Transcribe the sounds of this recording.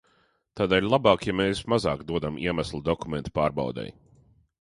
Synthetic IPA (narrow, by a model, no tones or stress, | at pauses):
t̪aːd̪ɛːlʲlˠabɑːkjameːsmazɑːkd̪uɔd̪amʔḭɛmæslˠud̪ɔkumʲɛnt̪paːɾba̰wd̪ɛ̰j